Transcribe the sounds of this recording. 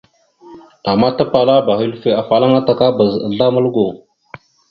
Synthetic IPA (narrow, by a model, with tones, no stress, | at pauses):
a˨mːa˦ta˦pa˨la˦ba˨xi˦lfe˨a˨fa˨la˦ŋa˦ta˨ka˦bə˨zə̰˨ɮa˦mə˦lɡo˨